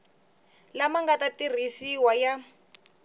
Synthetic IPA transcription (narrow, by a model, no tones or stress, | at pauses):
lamaŋɡatatir̤isiwaja